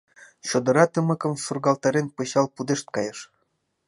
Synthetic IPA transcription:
ɕod̪ɤ̆ɾɑt̪ɤ̆mɤ̆kɤ̆msurɡɑlˠt̪ɑɾʲenpɤ̆ɕɑlˠpud̪eʃt̪̚kɑjɤ̆ʃ

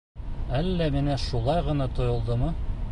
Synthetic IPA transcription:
ælːæminæʃulˠɑjʁɤ̆nɑt̪ŏjŏlˠd̪ɤmɤ

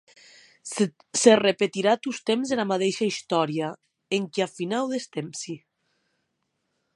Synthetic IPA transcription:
serepet̪iɾat̪ust̪emzelamat̪eʃaist̪ɔɾia | eŋkiafinawðest̪emsi

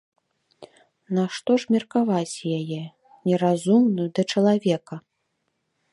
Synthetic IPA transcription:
naʂt̪ɔʐmʲɐrkavat͡sʲjajɛ | nʲɛɾazumnɨjud̪ɐt͡ʂɐlˠavʲɛkɐ

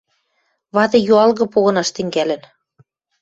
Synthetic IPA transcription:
βɑd̪ɤ̆joɑlɣɤ̆poɣɤ̆nɑʃt̪ɘ̆ŋɡælɘ̆n

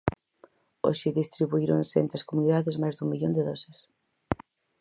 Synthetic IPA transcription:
o̰ʃɪðist̪ɾiβuiɾonsḛnt̪ɾɐskomuniðaðɪzmajzðuŋmiʎond̪eðɔsɪs

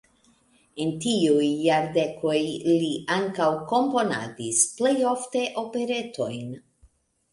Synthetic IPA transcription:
e̞ntiujːaɾde̞kʰo̞jliʔaŋkawko̞mpo̞na̰disple̞jo̞fte̞ʔo̞pe̞ɾe̞to̞jn

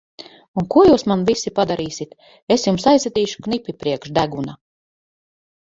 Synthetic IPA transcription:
unkuɔjuːsmanvisipad̪aɾiːsit̪ | esjumsaj̪ɛd̪iːʃu̥knipʲipɾiɛkʃd̪æɡuna

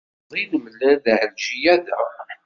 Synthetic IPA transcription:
ðˤinəmlːæðʕəlʒijæðæ

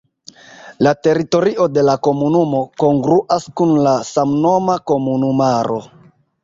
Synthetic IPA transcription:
late̞ɾito̞ɾiʔo̞de̞lako̞munumo̞ko̞ŋɡɾuʔaskunlasamno̞mako̞munumaɾo̞̰

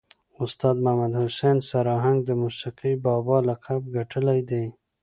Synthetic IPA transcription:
ʊst̪ɑd̪mahmad̪hʊsensaɾɑɦaŋɡd̪əmusiqibɑbɑlaqʰabɡaʈʰəlajd̪e

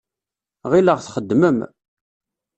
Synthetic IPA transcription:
ʁiləʁθχəd̪ːməm

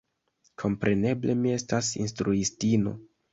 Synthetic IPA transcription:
kʰo̞mpɾe̞ne̞ble̞mie̞stasḭnstɾuistino̞̰

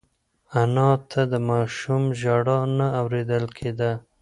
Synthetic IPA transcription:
anɑt̪ʰad̪əmɑʃumʒɑɽɑnaːwɾed̪əlkʰed̪a

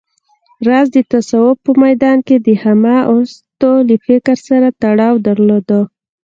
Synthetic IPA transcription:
ɾɑzd̪ət̪asawʊb̚pːəmajd̪ɑnked̪əhamaʔost̪oləfɪkɾsaɾat̪aɽɑwd̪aɾlod̪o

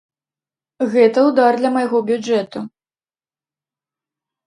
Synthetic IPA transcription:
ɣɛt̪ɐwd̪ard̪lʲɐmɐjaɣɔbʲud͡ʐɛt̪u

